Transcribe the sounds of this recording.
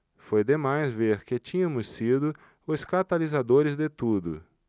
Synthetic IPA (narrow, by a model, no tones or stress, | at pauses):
fojd̪emajzveɾkɪt͡ʃĩɲɐ̃mʊsid̪ʊ | ʊskat̪alizad̪oɾɪzd̪et̪ud̪ʊ̰